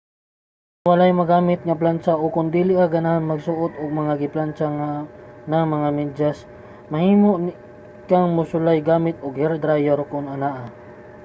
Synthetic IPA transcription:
wɐlajmɐɡaːmɪt̪̚ŋɐp̬lant͡ʃaʔokʊnd̪iːlɪʔaɡɐnahanmɐɡsʊʔot̪oɡ̚mɐŋaɡɪplant͡ʃaŋanɐŋmɐŋamɛd͡ʒas | mɐhiːmoʔn | kaŋmʊsʊlajɡaːmɪt̪̚oɡhɛɾd̪ɾajaɾkʊnɐnaːʔa

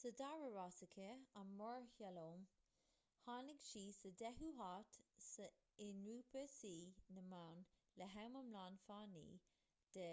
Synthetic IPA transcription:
sədaɹəɹasɪkʰəamːɔɹhɛlom | haːnɪɡʃiːsədɛɦuɦatsə | ɪnɹuːpəsiːnəmawn | ləɦawməmlaːnfaːnḭː | d̪̥ɛ

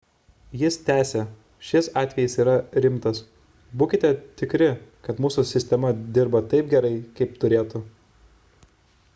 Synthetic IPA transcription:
jɪst̪ʲæːsʲe | ʃʲɪsɑːt̪ʲʋʲɛjɪsiːɾɐɾʲɪmt̪ɐs | buːkʲɪt̪ʲɛt̪ʲɪkɾʲɪkɐt̪muːsʊsʲɪsʲt̪ʲɛmɐd̪ʲɪɾbɐt̪ɐɪp̚ɡʲɛɾɐɪkɐɪpt̪ʊɾʲeːt̪ʊ

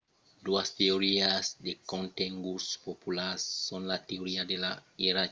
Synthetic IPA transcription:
duasteoɾiasdekõnteŋɡuspopulasːɔnlateoɾiadelaiɾa

